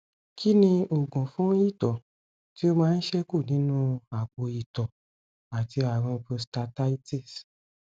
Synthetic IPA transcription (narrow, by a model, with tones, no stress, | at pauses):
kʰi˦nĩ˧o˨ɡɔ̃˨fũ˦i˦˨tɔ˨ | ti˦o˦mãː˦n̩˦ʃɛ˦ku˦˨nĩ˨˦nũ˦a˨k͡po˨˧i˨tɔ˨ | a˨ti˧a˨ɾ̃ɔ̃˧po˧sta˧ta˦i˦te˦˨s